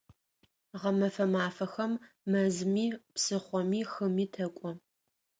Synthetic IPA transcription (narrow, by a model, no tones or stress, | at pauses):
ʁɐmɐfɐmaːfɐxɐmː | ɐzmiːpsɨχʷɔmiːxɨmiːtʰɐkʷʼɔ